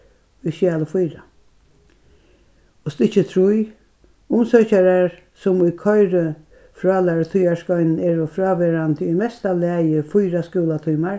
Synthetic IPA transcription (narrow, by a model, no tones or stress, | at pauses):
ʊjʃjaːləfʊjɾa | ɔst̪ɪt͡ʃːət̪ʰɾuj | ʊmsœːt͡ʃaɾaɹ | sʊmʊjkʰɔjɾə | fɾɑːlaɹt̪ʰʊjaskɔʏnn̩ɛːɹɔfɾɑːʋeːɾant̪imɛst̪alæːjəfʊjɾaskuːlat̪ʰuːmaɹ